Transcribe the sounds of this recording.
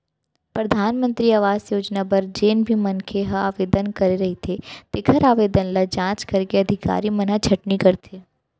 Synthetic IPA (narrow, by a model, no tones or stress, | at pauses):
pɾɐd̪ʱaːnmə̃nt̪ɾiaʋaːzjoːd͡ʒnapɐɾd͡ʒeːnbʱimɐnkʰeɦɐaːʋeːd̪ənkɐɾeɾɐɦit̪ʰet̪ekʰɐɾaːʋeːd̪ənlad͡ʒãːt͡ʃkɐɾkeɐd̪ʱɪka̰ːɾimɐnat͡ʃʰɐʈnikɐɾt̪ʰeː